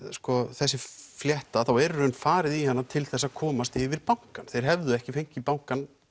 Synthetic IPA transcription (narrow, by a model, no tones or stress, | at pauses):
skɔθɛsːɪfljɛht̪aθawɛɾœnfaːɾɪðihanːat̪ʰɪlθɛsːakʰɔːmast̪ɪvɪɾpawŋ̥kanθejɾ̥ɦɛvðʏɛhcɪfejŋ̥cɪpawŋ̥kan